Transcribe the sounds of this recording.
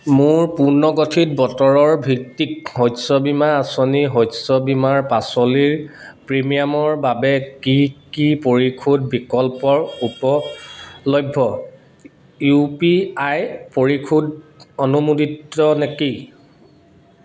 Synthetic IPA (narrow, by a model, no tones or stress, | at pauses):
mʊɹpuɹnɔɡotʰit̚bɔtɔɹɔɹbʱik̚tikɦɔjsɔbimaːsɔniɦɔjsɔbimaɹpasɔliɹpɹimijamɔɹbabɛkikipoɹikʰud̚bikɔlpɔɹupɔ | lɔjbʱːɔ | jupiajpoɹikʰudɔnumuditːɔneki